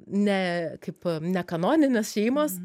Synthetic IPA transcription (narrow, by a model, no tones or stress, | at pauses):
nʲɛkɐɪpnʲɛkɐnoːnʲɪnʲɛsʃʲɛɪmɐs